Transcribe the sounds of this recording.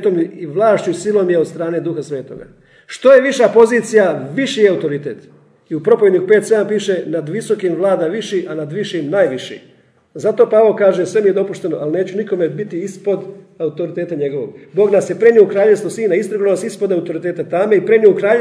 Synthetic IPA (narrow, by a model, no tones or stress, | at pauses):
t̪omiiʋlˠaːʃt͡ɕusilo̞mjeod̪st̪ɾaːne̞d̪uxasʋe̞ːt̪o̰ɡa̰ | ʃt̪o̞je̞ʋiʃapo̞ziːt̪sijaʋiʃiaut̪o̞ɾit̪eːt̪ | iupɾo̞poʋed̪nikupe̞ːt̪se̞d̪ampiːʃenad̪ʋiso̞kimʋlˠaːd̪aʋiʃiʔanad̪ʋiʃimnaːjʋiʃḭ | zat̪o̞ːpaʋokaːʒesʋe̞mijed̪o̞puʃt̪e̞no̞ʔalne̞ːt͡ɕuniko̞mebit̪iispo̞d̪ | aut̪o̞ɾit̪e̞ːt̪aɲe̞ɡo̞ʋo̞̰ɡbo̞ːɡnasjepɾe̞niukɾaːʎest̪osiːnaist̪ɾaɡunonasispo̞d̪aut̪o̞ɾit̪eːt̪at̪ame̞ipɾenioukɾaːʎ